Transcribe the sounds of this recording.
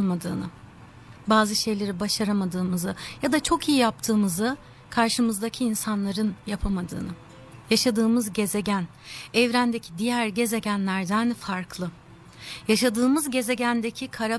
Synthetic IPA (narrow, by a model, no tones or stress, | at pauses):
mad̪ɯːnɯ̰ | baːzɯʃe̞jlʲe̞ɾibaʃaɾamad̪ɯːmɯzɯjad̪at͡ʃʰo̞kijijap̚t̪ʰɯːmɯzɯ | kʰaɾʃɯmɯzd̪acʰiiːnsanlˠaɾɯnjapʰamad̪ɯ̰ːnɯ | jaʃad̪ɯːmɯzɟe̞ze̞ɟæn | ɛvɾænd̪ecʰid̪ijæɾɟe̞ze̞ɟænlʲæɾd̪ænfaɾkʰlˠɯ | jaʃad̪ɯːmɯzɟe̞ze̞ɟænd̪ecʰikʰaɾa